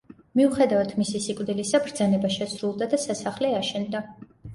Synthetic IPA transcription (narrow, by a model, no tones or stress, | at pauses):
miuχɛd̪avat̪ʰmisisikʼvd̪ilisabɾd̪zanɛbaʃɛsɾulˠd̪ad̪asasaχlɛaʃɛnd̪a